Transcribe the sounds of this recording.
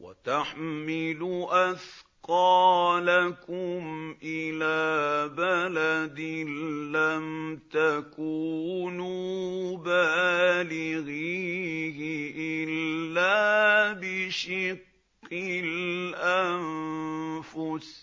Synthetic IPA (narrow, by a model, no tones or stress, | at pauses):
wa̰t̪aħmɪlʊʔaθqɑːlakʊmʔɪlaːbalad̪ɪlamt̪akuːnubaːlɪɣihɪʔɪlːaːbɪʃɪqː | ɪlʔan | fʊs